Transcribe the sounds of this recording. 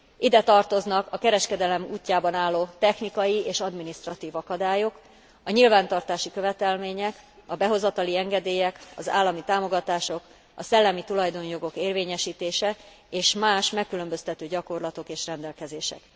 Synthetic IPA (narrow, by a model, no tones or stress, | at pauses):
ʔid̪ɛt̪ɒrt̪o̞znɒkɒkɛɾɛʃkɛd̪ɛlɛmṵːcːaːbɒnaːlːoːt̪ɛxnikɒjieːʃɒd̪minist̪rɒt̪iːvɒkɒd̪aːjo̞k | ɒɲilvaːnt̪ɒrt̪aːʃikø̞vɛt̪ɛlmeːɲɛkɒbɛɦo̞zɒt̪ɒliɛŋɡɛd̪eːjɛkɒza̰ːlːɒmit̪aːmo̞ɡɒt̪aːʃo̞k | ɒsɛlːɛmit̪ulɒjd̪o̞njo̞ɡo̞keːrveːɲɛʃiːt̪eːʃɛ | eːʃmaːʃmɛkːylø̞mbø̞st̪ɛt̪øːɟɒko̞rlɒt̪o̞keːʃrɛnd̪ɛlkɛzeːʃɛ̰k